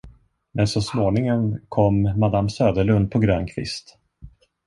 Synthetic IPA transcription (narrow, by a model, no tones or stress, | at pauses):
mɛnsɔsmoːnɪŋənkʰɔmːad̪amːsøːd̪əɭɵnd̪̚pʰɔɡɾøːnkʰvɪ̰st̪